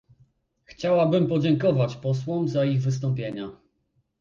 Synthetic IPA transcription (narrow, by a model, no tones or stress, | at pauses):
xt͡ɕawabɘmpɔd͡ʑɛŋkɔvat͡ɕpɔswɔmzaiɣvɘst̪ɔmpʲjeɲa